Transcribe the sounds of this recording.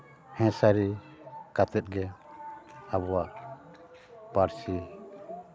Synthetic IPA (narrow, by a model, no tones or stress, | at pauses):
hɛ̃saɾi | kat̪ɛt̪̚ɡɛ | abɔwaʔ | paɾsi